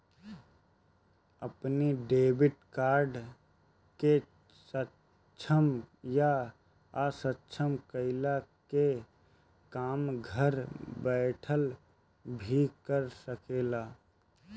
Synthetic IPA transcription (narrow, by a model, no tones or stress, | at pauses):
əpniɖeːbɪʈkaːɾɖ | ke | sə | t͡ʃʰəmja | asətːt͡ʃʰəmkəɪlake | kaːmɡʱəɾbɛːʈʰəl | bʱikəɾsəkeːlaː